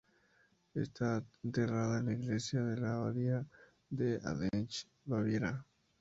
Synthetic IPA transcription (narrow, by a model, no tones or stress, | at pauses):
ḛst̪aent̪eraðaenlaiɣlesjaðelaβaðia | d̪ea̰ðent͡ʃ | βaβjeɾa